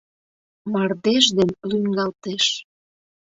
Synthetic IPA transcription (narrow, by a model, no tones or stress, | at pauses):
mɑrd̪eʒd̪enlyŋɡɑlt̪eʃ